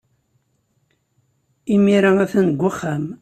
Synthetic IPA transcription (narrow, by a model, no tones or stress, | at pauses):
imiɾaæθænɡʷːaχːam